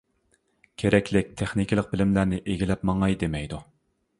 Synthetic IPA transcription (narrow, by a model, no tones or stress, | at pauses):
kʲʰeɾɛkʲlɪk̚ʲt̪ʰeχnikʰʲilˠəq̚bɪlɪmlæɾnɪʔeɡʲilɛpmɑŋɑjd̪emɛjd̪u